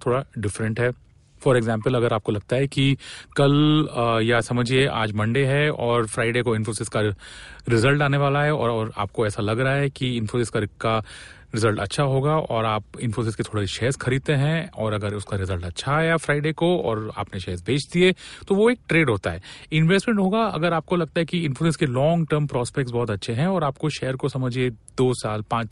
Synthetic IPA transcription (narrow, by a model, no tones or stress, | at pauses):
t̪ʰoːɽaɖɪfɾə̃ɳʈɦɛː | fɔːɾeɡzɛ̃ːmpəlɐɡəɾaːp̚kolɐɡ̚t̪aɦɛkikɐljasɐməd͡ʒʱiea̰ːd͡ʒmɐ̃ɳɖeɦɛɔːɾfɾaːɪɖeːkoɪ̃nfosɪskaɾɪzəlʈaːneʋaːlaɦɛɔːɾɔːɾa̰ːp̚koɛːsalɐɡɾɐɦaɦɛkiɪ̃nfoːsɪskaɾɪkːa | ɾɪzəlʈɐtːʃʰaɦoːɡaɔːɾaːp̚ɪ̃nfos̬ɪsket̪ʰoːɽeiʃɛːzxʰɐɾiːd̪̚t̪ẽɦɛ̃ɔːɾɐɡəɾʊskaɾɪzəlʈɐtːʃʰajafɾaːɪɖeːkoɔ̰ːɾa̰ːpneʃɛːzbʱeːt͡ʃʰd̪iɦet̪oʋoeːk̚ʈɾeːɖɦoːt̪aɦɛːɪ̃nʋesʈmɛ̃ɳʈɦoːɡaɐ̰ɡəɾaːp̚kolɐɡ̚t̪aɦɛkiɪ̃nfoːs̬ɪskelɔ̃ːŋɡʈəɾmpɾɔːspɛk̚ʈsbɔːt̪ɐtːʃʰeɦɛ̃ɔːɾaːp̚koʃɛːəɾkosɐməd͡ʒʱed̪oːsaːlpãːt͡ʃ